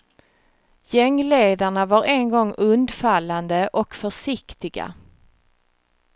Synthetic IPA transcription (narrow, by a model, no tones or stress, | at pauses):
jɛŋːleːd̪aɳavaɾʔɛnɡɔŋːɵnd̪falːand̪əʔɔkfœʂɪkt̪ɪɡa̰